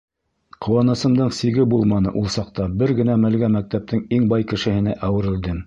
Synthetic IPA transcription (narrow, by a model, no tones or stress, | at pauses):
qʰŏwɑnɤsɤ̆md̪ɤɴsiɡɘbulˠmɑnɤ̰ʔulˠsɑq̚t̪ɑbɘɾɡɘ̆næmɘ̆lɡæmæk̚t̪æp̚t̪ɘŋiŋbɑjkɘ̆ʃɘ̆hɘ̆næʔæwɘ̆ɾɘ̆ld̪ɘm